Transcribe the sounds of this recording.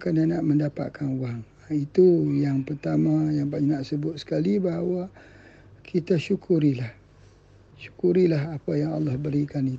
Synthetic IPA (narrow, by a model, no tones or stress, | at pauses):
kananaʔmə̃ndapa̰t̪̚kʰanuaŋ | it̪ujaŋpərt̪amãjaŋpanaʔsəbʊt̪̚sə̥kalibaɦawa | kʰit̪aʃukʰuɾilah | ʃu̥kuɾilaɦapajaŋɑ̰lːɑhbəɾikanit̪u